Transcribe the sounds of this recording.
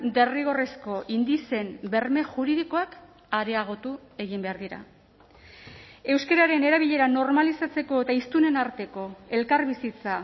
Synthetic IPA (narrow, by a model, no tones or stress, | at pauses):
d̪e̞riɣ̞o̞resko̞ʔind̪ise̞mbe̞rme̞ʝuɾiðiko̞ak | aɾe̞aɣ̞o̞t̪ue̞ɣimbe̞aɾðiɾa̰ | e̞wske̞ɾaɾe̞ne̞ɾaβiʎe̞ɾano̞ɾmalisat͡se̞ko̞et̪aist̪une̞naɾt̪e̞ko̞e̞lkaɾβisit͡sa